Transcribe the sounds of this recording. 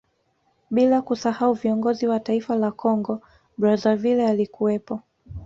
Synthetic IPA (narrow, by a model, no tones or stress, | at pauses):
ɓilakusahauviɔŋɡɔziwataifalakʰɔŋɡɔ | ɓɾazavilɛalikuwɛpɔ